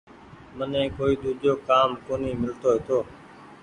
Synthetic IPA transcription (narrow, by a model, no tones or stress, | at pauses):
mənɛ̃ːkoːiːd̪uːd͡ʒʱoːkaːmkoːniːmɪlt̪oːɦeːt̪oː